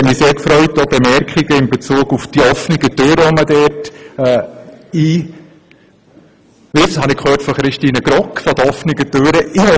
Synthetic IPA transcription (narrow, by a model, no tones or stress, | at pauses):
ɛtmiseːɾkfɾœʏtob̥emɛɾkχɪɡəɪmbet͡suːɡufd̥iɔfnɪɡətøːɾəɔmədɛɾtɛːiː | ʋɪshɑnɪkhøːɾtfɔχɾɪʃtiːnəɡɾɔkfɔd̥̪əɔfnɪɡətøːɾəʔɪ